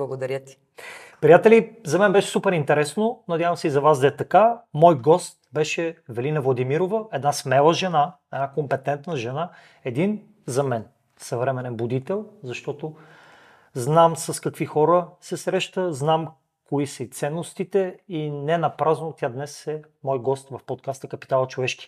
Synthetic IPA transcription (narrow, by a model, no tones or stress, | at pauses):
blˠɐɡod̪ɐɾʲjət̪i̥ | pɾijat̪ɛlizɐmɛnbɛʃɛ̥supɛɾint̪ɛɾɛsnonɐd̪ʲjavəmsɛizɐvazd̪ɐɛt̪ɐkamɔjɡɔst̪̚bɛʃɛvɛlinɐvlˠɐd̪imiɾovəɛd̪nasmɛlˠəʒɛna | ɛd̪nakompɛt̪ɛnt̪nəʒɛna | ɛd̪in | zɐmɛn | sɐvɾɛmɛnɛnbʊd̪it̪ɛlˠzɐʃt̪ɔt̪o | znamsɐskɐkvixɔɾəsɛsɾɛʃt̪əznam | koisəit̪sɛnːost̪it̪ɛinɛnɐpɾaznot̪ʲjad̪nɛsɛ | mɔjɡɔst̪vɐfpot̪̚kast̪əkɐpi̥t̪alˠət͡ʃovɛʃki̥